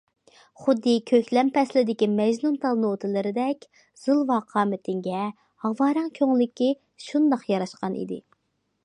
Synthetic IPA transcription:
χʊd̪ːɨkʲʰøkʲlɛmpʰɛslɪd̪ɪkʲimɛʒnunt̪ʰɑlˠnot̪ʰɨlɪɾɪd̪ɛkʲ | z̥ɨlˠvɑqʰɑːmɪt̪ʰɪŋɡʲɛ | hɑvɑːɾɑŋkʲʰøŋlɪkʲi | ʃund̪ɑqjɑɾɑʃqɑnʔḭd̪ɪ̰

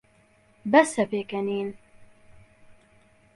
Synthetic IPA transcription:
bɐsɛpeːkɛniːn

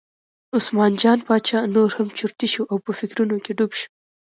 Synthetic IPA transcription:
ʊsmɑnd͡ʒɑnpɑt͡ʃɑnoɾhamt͡ʃʊɾt̪iʃuʔawpəfɪkɾunokeɖubʃu̥

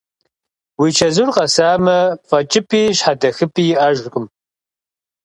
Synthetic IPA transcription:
wit͡ʃʰɐzurqʼɐsaːmɐfʼɐt͡ʃʼɪpʰiːɕħadɐxɨpʰʼiːjɪʔɐʒkʷʼʊm

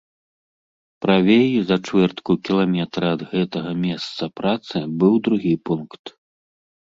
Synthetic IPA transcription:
pɾavʲejuzɐt͡ʂvʲɛrt̪kukʲilˠamʲɛt̪ɾɐɐd̪ɣɛt̪ɐɣɐmʲɛst̪sɐpɾat̪sɨbɨwd̪ɾuɣʲipunkt̪

